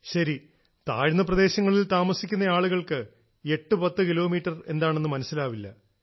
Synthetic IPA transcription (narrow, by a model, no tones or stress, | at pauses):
ɕɐɾi | t̪a̰ːɻnːɐprɐd̪e̞ːɕɐŋːɐɭilt̪aːmɐsikʲːunːɐjaːɭuɣɐɭkɨ | e̞ʈːupɐt̪ːɨkilo̞ːmiːʈːɐre̞̰nd̪aːɳenːɨmɐnɐsːilaːʋilːɐ